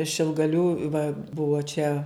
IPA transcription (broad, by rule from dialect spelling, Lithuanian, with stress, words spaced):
ʃʲɪlˠɡɐˈlʲuː ʋɐ ˈbʊʋoː t͡ʃʲɛ